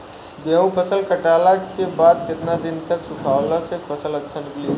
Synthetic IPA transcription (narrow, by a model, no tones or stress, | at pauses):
b̪eũpʰəsəlkɐʈaːlakebaːd̪kɪt̪nad̪ɪnt̪ɐksʊkʰaːwlãsepʰɐsəlɐtːʃʰanɪkli